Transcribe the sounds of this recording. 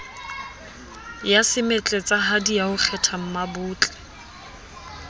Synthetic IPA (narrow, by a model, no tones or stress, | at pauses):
jasɪmet͡ɬʼet͡sʼaɦadijaʊk͡xʰɛtʰam̩mabʊːt͡ɬʼɛ̥